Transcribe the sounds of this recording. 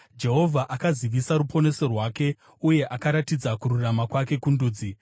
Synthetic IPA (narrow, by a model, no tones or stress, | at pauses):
d͡ʒe̞ɦo̞vʱaʔakaziʋisaɾupʰo̞ne̞so̞rwake̞ | uje̞ʔakaɾatid͡zakuɾuramakwake̞kunduːd͡zi